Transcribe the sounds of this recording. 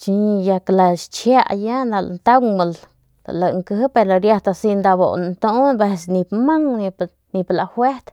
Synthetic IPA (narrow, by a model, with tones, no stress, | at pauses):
t͡ʃi˧ɲ˧ja˧kla˨ʃt͡ʃja˦ʔja˦na˧l̰nt̪a˦wma˨l | a̰˨la˨ŋkə˧ɦpe˧ɾla˧ɾja˧t̪a˧si˧nd̪a˧bo̰˨n˨nt̪o˦be˧sni˧pma˦ŋni˧ | ni˧pla˨hwe˦ɾt̪